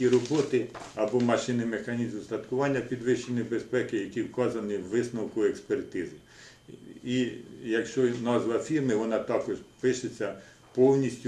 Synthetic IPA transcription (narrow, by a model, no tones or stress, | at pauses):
iɾɔbɔt̪ɪɐbɔmɐʃɪnɪmexɐnʲizmst̪ɐt̪kʊʋɑnʲːɐpʲid̪ʋɪʃt͡ʃenʲɪbespɛkɪjɐkʲiwkɑzɐnɪwʋɪsnɐwkʊekspert̪ɪzɪ | ijɐkʃt͡ʃɔnɑzʋɐfʲirmɪʋɔnɑt̪ɑkɔʒpɪʃet͡sʲːɐ | pɔwnʲisʲtʲʊ